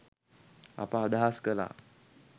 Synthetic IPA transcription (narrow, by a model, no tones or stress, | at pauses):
a̰pãd̪ʱaskəla̰